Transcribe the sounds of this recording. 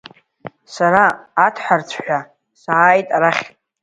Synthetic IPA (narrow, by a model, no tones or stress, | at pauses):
saɾaːtʰħʷart͡sʷʰħʷᶣa | saːjtʼaɾaχʲʼ